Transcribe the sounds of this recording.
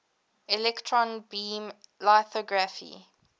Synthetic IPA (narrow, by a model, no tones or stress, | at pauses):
ilɛktʰɹɔ̃nbiːmlaθɔɡɹafḭ